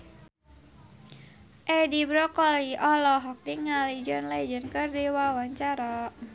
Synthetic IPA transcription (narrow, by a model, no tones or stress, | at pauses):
ʔɛdibɾɔkɔliʔɔlɔɦɔk̚niŋːalid͡ʒɔnlɛd͡ʒənkərdiwawaɲt͡ʃaɾa